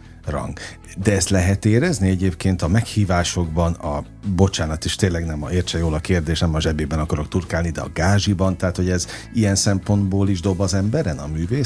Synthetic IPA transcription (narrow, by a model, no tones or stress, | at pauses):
rɒ̰ŋɡ | d̪ɛɛst̪lɛɦɛt̪eːɾɛzniɛɟeːpkeːnt̪ɒmɛkhiːvaːʃo̞ɡbɒnɒ | bo̞t͡ʃaːnɒt̪iʃt̪eːnlɛɡnɛmɒ̰eːrt͡ʃɛjoːlɒkeːrd̪eːʃnɛmɒʒɛbeːbɛnɒkɒɾo̞kt̪urkaːlnid̪ɛɒ̰ɡaːʒibɒnt̪ɛɦːt̪ho̞ɟɛz | ijɛnsɛmpo̞nd̪boːliʒd̪o̞bɒzɛmbɛɾɛnɒmyːveː